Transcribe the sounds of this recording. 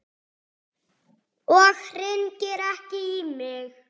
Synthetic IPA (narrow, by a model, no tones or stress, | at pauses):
ɔɣrɪncɪɾɛhcɪimɪx